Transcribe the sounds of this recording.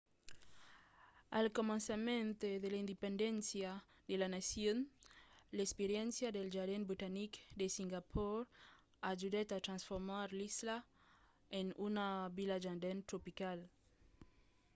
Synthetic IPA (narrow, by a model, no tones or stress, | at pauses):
a̰lkomãnsamẽnt̪eðelaind̪epẽnd̪ensja | d̪elanasjon | lespeɾjɛ̃nsjaðelʒaɾðenbɾit̪anikd̪esiŋɡapʰoɾ | aʒuðat̪at̪ɾãnsfoɾmaɾlisla | enunaβilaʒand̪ent̪ɾopikal